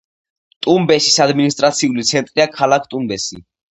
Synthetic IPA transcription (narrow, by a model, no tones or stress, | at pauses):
t̪ʼumbɛsisad̪minist̪ʼɾat̪sʰiulit̪sʰɛnt̪ʼɾiakʰalakʰt̪ʼumbɛsḭ